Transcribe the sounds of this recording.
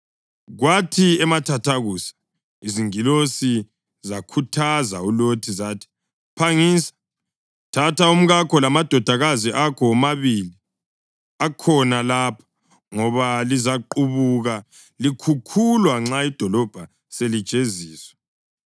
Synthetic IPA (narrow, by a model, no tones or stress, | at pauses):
ɣwatʰiɛmatʰatʰaɣuːsḁ | iziŋilosi | zakʰutʰazaulotʰizatʰi̥ | pʰaŋiːsḁ | tʰatʰaum̩ɣakʰɔlamad̥ʱɔd̥ʱaɣaziʔakʰɔmaβili | akʰɔnalaːpʰḁ | ŋɔβalizaǃuβuɣa | likʰukʰulwaŋ͡ǁaid̥ʱɔlɔb̥ʱa | selid̥ʒ̥ʼʱeziːswɛ